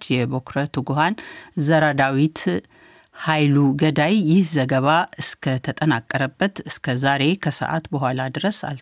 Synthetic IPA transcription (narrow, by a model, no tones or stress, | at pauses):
t͡ʃjɛbokɾət̪ʰuɡuɦanzəɾad̪awit̪ | hajluɡəd̪ajːɪhzəɡəβaʔɨskʰət̪ʰət̪ʼənakʼːəɾəbːət̪ɨskʰəzaɾe̞kʰəsə̰ʔa̰t̪bəɦʷwʷalad̪ɨɾəsa̰l